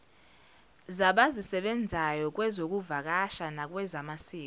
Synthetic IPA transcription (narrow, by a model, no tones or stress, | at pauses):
zaɓazisɛɓɛnd͡zʱajɔk̬ʼwɛzok̬ʼuvak̬ʼaʃanak̬ʼwɛzamasiː